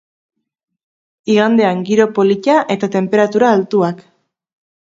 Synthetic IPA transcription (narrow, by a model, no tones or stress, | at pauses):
iɣand̪e̞aŋɡiɾo̞po̞licaʔe̞t̪at̪e̞mpe̞ɾat̪uɾaːlt̪uak